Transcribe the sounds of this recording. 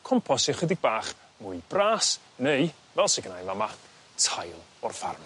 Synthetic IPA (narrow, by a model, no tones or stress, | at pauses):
kʰɔmpʰɔsɪχwɛdɪɡ̚baːχ | mʊjb̥raːs | nej | vɛlˠseɡənajnvama | tʰajlˠ | ɔrfa̰rm